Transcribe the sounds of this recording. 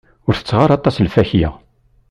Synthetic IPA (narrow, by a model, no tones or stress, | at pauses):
ʊɾθə̥t͡sːʁaɾˤɑt̪ˤɑslfæçja̰